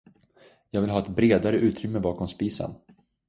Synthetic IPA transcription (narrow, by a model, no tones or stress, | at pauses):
jɑːɡvɪlɦɑːɛt̪bɾeːd̪aɾəʔʉ̟ːt̪ʰɾʏmːəbɑːkɔmspiːsa̰n